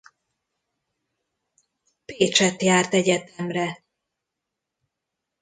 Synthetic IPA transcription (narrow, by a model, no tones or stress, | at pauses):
peːt͡ʃɛt̪jaːrt̪ɛɟɛt̪ɛmrɛ